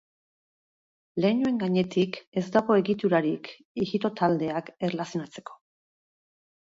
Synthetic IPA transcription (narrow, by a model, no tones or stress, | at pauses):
le̞ːnue̞ŋɡaɲe̞t̪ike̞zd̪aɣo̞e̞ɣit̪uɾaɾik | iɣit̪o̞t̪ald̪e̞ake̞relasio̞nat͡se̞̥ko̞